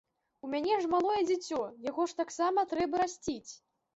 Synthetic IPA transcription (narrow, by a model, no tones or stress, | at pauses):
umʲanʲɛʐmalˠɔjɛd͡zʲat͡sʲɔjaɣɔʂt̪aksamɐt̪ɾɛbɐɾasʲt͡sʲit͡sʲ